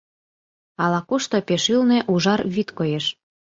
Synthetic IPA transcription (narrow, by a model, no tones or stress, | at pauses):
ɑlɑkuʃt̪opeʃylneʔuʒɑrβit̪kojeʃ